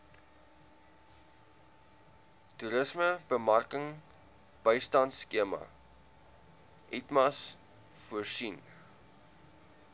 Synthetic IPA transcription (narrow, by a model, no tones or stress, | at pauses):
tuɾəsməb̥əmɐrkəŋ | b̥əjstɐntskiəmɐ̰ | ʔitmɐs | fuərsin